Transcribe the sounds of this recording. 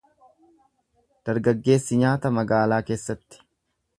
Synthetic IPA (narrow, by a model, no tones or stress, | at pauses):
d̪̥ɐɾɡɐɡːe̞ːsːɪɲaːt̪ɐmɐɡaːlaːke̞ːsːɐt̪ːɪ̥